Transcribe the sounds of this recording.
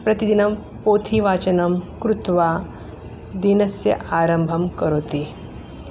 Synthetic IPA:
pɾɐt̪id̪inɐm | poːt̪ʰiʋaːt͡ʃɐnɐmkɾut̪ʋaː | d̪inɐsjɐ̰ʔaːɾɐmbʱɐmkɐɾoːt̪i

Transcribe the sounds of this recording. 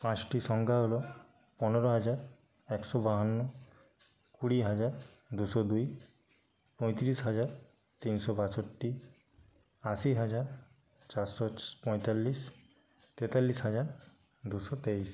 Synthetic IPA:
pãt͡ɕʈiʃɔŋɡʱaɦolo | pɔneɾoɦad͡ʑaɾ | ɛksɔbaɦanːo | kuɽiɦad͡ʑaɾ | d̪uʃɔd̪uj | pɔ̃j̃t̪ɾisɦad͡ʑaɾ | t̪insɔbasoʈːi | asiɦad͡ʑaɾ | t͡ɕaɾsɔpɔ̃jt̪alːis | t̪et̪alːisɦad͡ʑaɾ | d̪uʃɔt̪ejs

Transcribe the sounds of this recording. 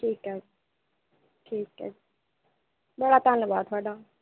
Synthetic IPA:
ʈʰiːkɦɛː | ʈʰiːkɦɛ̰ː | bəɽaːt̪aːnbaːt̪ʰʊaːɖaː

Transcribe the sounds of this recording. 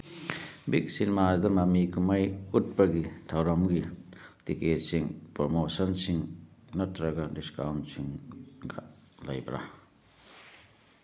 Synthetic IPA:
biksinmazd̪ɐɾmamikumɐjut̚bɐɡitʰɐwɾɐmɡitiketsiŋpɾomosɐnsiŋnɐtɾɐɡadiskawntsiŋɡa̰lɐ̰jbɾa̰

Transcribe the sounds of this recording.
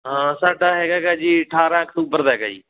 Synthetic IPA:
ɦãːsaːɖaːɦeːɡaːɡaːd͡ʒiːʈʰaːɾãːk̚t̪uːbəɾd̪aːɦeɡa̰ːd͡ʒḭː

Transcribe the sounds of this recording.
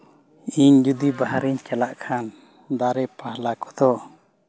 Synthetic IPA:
iɲd͡ʒud̪ibaɦaɾiɲt͡ʃɛlaʔkʰan | d̪aɾɛpahlakɔd̪ɔ

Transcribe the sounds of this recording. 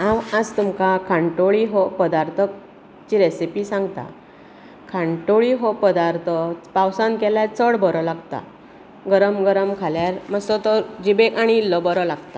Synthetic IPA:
ãʋəd͡zt̪umkakʰaɳʈoɭiɦɔpəd̪aɾt̪ʰək̚ | t͡ɕiɾesipisãŋɡt̪a̰ | kʰãɳʈoɭiɦɔpəd̪aɾt̪ʰəpawsãnkɛlat͡səɽbʱɔɾɔlaɡt̪a̰ | ɡəɾəmɡəɾəmkʰaljaɾmasɔt̪ɔɾd͡ʑibekaɽ̃iːlːɔbɔɾɔlaɡt̪a

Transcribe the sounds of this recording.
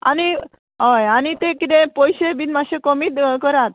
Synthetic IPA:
a̰ni | ɦojanit̪ekit̪ẽpɔjɕebinmaɕekomiːt̪kəɾat̪̚

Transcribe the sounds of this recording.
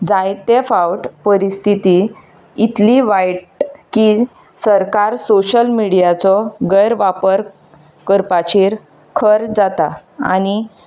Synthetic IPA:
d͡zajt̪efawʈpəɾist̪ʰit̪iː | t̪liʋajʈki | səɾkaɾsoɕəlmiɽijat͡sɔɡəjɾʋapəɾ | kəɾpat͡ɕiːɾ | kʰəɾd͡zat̪aa̰ñi

